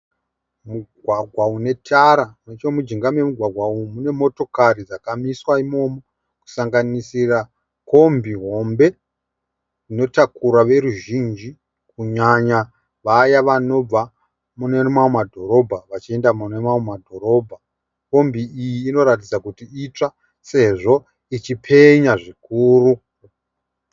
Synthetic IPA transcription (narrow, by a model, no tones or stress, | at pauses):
muɡʱwaɡʱwaune̞tʰaɾanet͡ʃomud͡ʒiŋɡame̞muɡʱwaɡʱwaumune̞mo̞to̞karid͡zakamiswaimo̞mo̞ | ku̥saŋɡanisira | ko̞mbiɦo̞mbe̞ | d͡zino̞takuɾaʋe̞ɾuʒind͡ʒi | kuɲaɲa | ʋajaʋano̞b͡va | mune̞rmaomadʱo̞ɾo̞bʱaʋat͡ʃie̞ndamunemaomadʱo̞ɾo̞ːbʱa | ko̞mbiijiːno̞ɾat̬id͡zakutiit͡ʂa | se̞ʐo̞ | it͡ʃipʰe̞ɲaʐikuːru